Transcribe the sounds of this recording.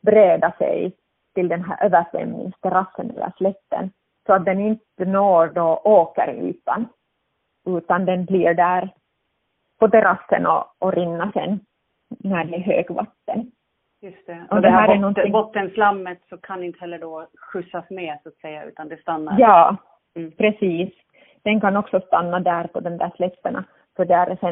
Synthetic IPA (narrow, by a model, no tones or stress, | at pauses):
bɾeːd̪asɛ̰j | t̪ɪld̪ɛnɦæ̰ːɾʔøːʋæɾʂʋɛ̰mnɪ̰ŋst̪ʰɛɾɑsːənɛ̰lːə̰ɾflɛt̪ːə̰n | sɔat̪̚d̪ɛnɪnt̪ənoːɾɖoʔoːkə̰ɾʉ̟̰ːt̪an | ʉ̟ːt̪and̪ɛnbliːɾɖæːɾ | pɔt̪ɛɾʔɑsːə̰nɔ̰ːɾɪnːasɛ̰nː | æːɖɛɦø̰ːɡva̰t̪ːən | jɵst̪ɛʔɔd̪ɛæːɾɛnɔnt̪ːɪŋbɔt̪ːənslamːət̪sɔkʰanɪnt̪ə̥hɛlːəɖɔɧɵsasmeːsʊat̪sɛjːaʉ̰ːt̪and̪ɛst̪anːaɾjɑː | pʰɾɛsiːs | d̪̥ɛnkanɔksɔst̪anːad̪æːɾpɔd̪ɛmd̪æːʂlɛt̪ːəɳɑ̰ | fœɖɛæɾsɛ